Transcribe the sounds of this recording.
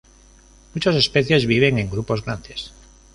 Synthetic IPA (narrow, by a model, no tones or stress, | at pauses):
mut͡ʃose̞speθje̞zβiβ̞e̞ŋẽ̞ŋɡɾupo̞zɣɾand̪es